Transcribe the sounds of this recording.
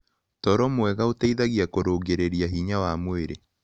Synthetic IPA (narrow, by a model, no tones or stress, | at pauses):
tɔɾɔmwɛɣaotaiðaɣiakoɾoːɡeɾeɾiaɦiɲawamweɾe